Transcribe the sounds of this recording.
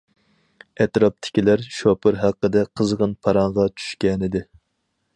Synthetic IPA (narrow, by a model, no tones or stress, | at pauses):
ɛt̪ɾɑp̚t̪ʰɪ̥kʲilæɾʃopʰɨɾɦæqːəd̪ɛqʰəzʁənpʰɑɾɑɴʁɑt͡ʃʰy̥ʃkʲɛnɪd̪ɪ